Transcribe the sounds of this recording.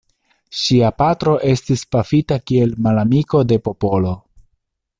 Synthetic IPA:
ʃiapatɾo̞ʔe̞stispafitakie̞lmalamiko̞de̞po̞po̞lo̞

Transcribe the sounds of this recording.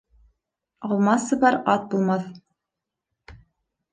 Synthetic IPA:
ɑlˠmɑsɤ̆βɑɾɑt̪̚bulˠmɑθ

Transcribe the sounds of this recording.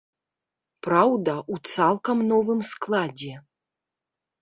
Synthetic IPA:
pɾawd̪ɐʔut̪salˠkɐmnɔvɨmsklˠad͡zʲɛ

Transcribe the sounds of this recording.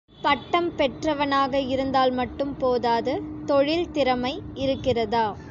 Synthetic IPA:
pɐʈːɐmpɛʈrɐʋɐnaːɣɐɪɾɯnd̪aːlmɐʈːɯmpoːðaːðɐt̪ɔɻɪlt̪ɪɾɐmɐɪɪɾɯkːɪrɐðaː

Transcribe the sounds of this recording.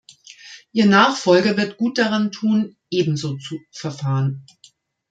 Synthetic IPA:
ʔiːɐnaːχfɔlɡɐvɪɐtɡ̥uːt̚d̥aʁantʰuːnʔeːbm̩zoːt͡sufɛɐfaːʁən

